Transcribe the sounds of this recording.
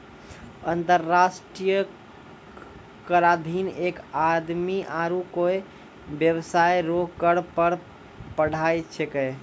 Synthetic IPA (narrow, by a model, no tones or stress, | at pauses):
ənt̪əɾːasʈɾijə | kəɾad̪ʱinekad̪miʔaɾukoj | bjəwsajɾoɡkəɽpəɾ | pəɽ̤ajt͡ʃʰeke